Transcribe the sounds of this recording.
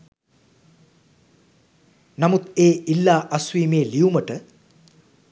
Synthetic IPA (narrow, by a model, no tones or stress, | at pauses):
namut̪eːilːaːʔaswiːmeːliuməʈə